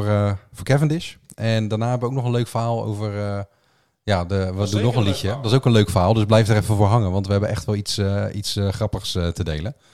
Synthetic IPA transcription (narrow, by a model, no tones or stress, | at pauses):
ɹəvʊːɹkɛvəndɪʃʔɛndaːɹnaːɦɛbəʋəowk̚nɔχənløɥkfəɹɦaːlˠo̰wvəɹə | jaːdəʋədunːɔχənlicjədɑtsowkənløɥkfəɹɦaːlˠdɵsblɛjfdəɾɛfəvʊːɹɦɑŋənʋɑntʋəɦɛbənʔɛ̰χtʋɛlˠitsəitsəχrɑpəχsətədejlən